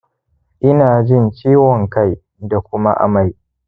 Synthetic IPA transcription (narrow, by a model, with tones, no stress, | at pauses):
ʔɪ˦naː˨d͡ʒɪ˦˨nt͡ʃiː˦wɔ˨ŋka˦˨j | da˨kʷʊ˦ma̰˦ʔa̰˨ma˦˨j